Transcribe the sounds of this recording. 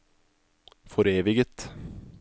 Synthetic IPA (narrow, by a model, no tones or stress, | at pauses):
fɔɾeːʋɪɡət̪